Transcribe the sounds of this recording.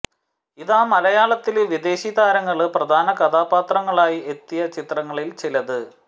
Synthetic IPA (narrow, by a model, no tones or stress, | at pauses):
iðaːmɐlɐjaːɭɐt̪ːilʋid̪e̞ːɕiðaːɾɐŋːɐɭɨprɐd̪ʱaːnɐkɐd̪ʱaːbaːt̪rɐŋːɐɭaːjie̞t̪ːijɐt͡ɕit̪rɐŋːɐɭilt͡ɕilɐðɨ